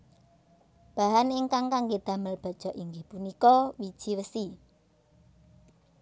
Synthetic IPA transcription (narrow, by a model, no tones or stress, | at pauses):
b̥ä̤ɦanɪŋkaŋkaŋɡed̪̥ä̤məlb̥a̤̥ʒ̥ɔ̤ʔiŋɡehpunikɔwid̥ʒ̥iwəsi